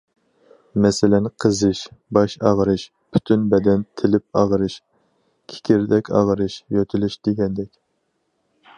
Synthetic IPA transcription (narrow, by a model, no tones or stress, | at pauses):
mɛsɪlɛnqʰəzɨʃbɑʃɑʁɾɨʃ | pʰy̥t̪ʰynbɛd̪ɛnt̪ʰɪlɪp̚ɑʁɾɨʃ | kʲʰe̥kʲiɾd̪ɛkʲɑ̰ʁɾɨʃjøt̪ʰylyʃd̪̥eɡʲɛnd̪ɛkʲ